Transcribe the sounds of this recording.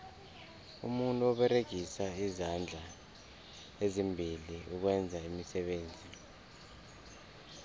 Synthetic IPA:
ṵmuntʼuɔɓɛreɡ̥ʱisaizand͡ɮʱa | ezimbʱiliuk̬wɛnd͡zʱaimisɛɓeːnd͡zʱi

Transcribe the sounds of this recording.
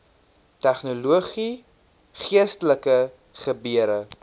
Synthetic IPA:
tæχnuluəχi | χiəstələkə | χəbiəɾə

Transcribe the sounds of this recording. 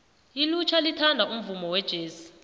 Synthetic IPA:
ilut͡ʃʰalitʰandʱaum̩vumɔwɛd̥ʒ̥ʱeːsi̥

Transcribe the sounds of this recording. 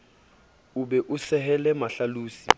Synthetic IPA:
uɓɛʔusɛhɛlɛmaɬaluːsḭ

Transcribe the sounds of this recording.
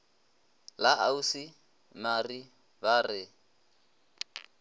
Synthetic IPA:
laʔausi | nari | barɪ

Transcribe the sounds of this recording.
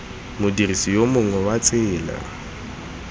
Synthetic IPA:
mʊdirisijomʊŋwɛwat͡sʼɪːla̰

